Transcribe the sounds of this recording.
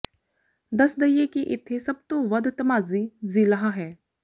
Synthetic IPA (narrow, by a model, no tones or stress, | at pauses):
d̪əsd̪ɐijekiʔɪt̪ʰːesɐb̚t̪õʋɐd̪t̪ɐmaːzizilaɦaɦɛː